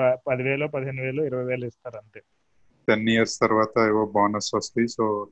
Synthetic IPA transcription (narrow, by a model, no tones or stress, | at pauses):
pɐd̪iʋeːloːpɐd̪iɦenːiʋeːloːiɾɐʋɐjʋeːlɐist̪aːɾɐɳt̪eː | penːijɐɾst̪ɐɾʋaːt̪ɐiʋoːbaːnɐsʋɐst̪ɐisoː